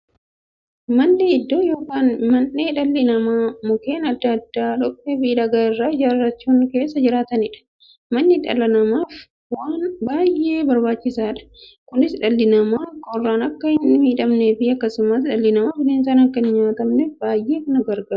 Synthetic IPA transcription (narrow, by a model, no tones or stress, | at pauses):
mɐnːɪɪd̪ːo̞ːjo̞ːkaːnmɐnːeːᶑɐlːɪnɐmaːmʊke̞ːnɐd̪ːɐːd̪ːaːᶑɔkʼːefiᶑɐɡaːɪrːaːɪd͡ʒaːrɐt͡ʃːuːŋke̞ːsːɐd͡ʒɪɾaːt̪ɐnɪᶑɐ̥ | mɐnːɪᶑɐ̰lɐnɐmaːf | waːnbaːjːʔe̞ːbɐɾbaːt͡ʃːɪsaːᶑɐ̥ | kʊnɪsᶑɐlːɪnɐmaːkːɐɔrːaːnɐkːɐɪnːɪmiːᶑɐmneːfɪɐkːɐsʊmɐt̪ᶑɐlːɪnɐmaːfɪneːnsaːnɐkːɐɪnɪɲaːt̪ɐmnefbaːjːe̞ːkɐnɐɡɐɾɡaːɾ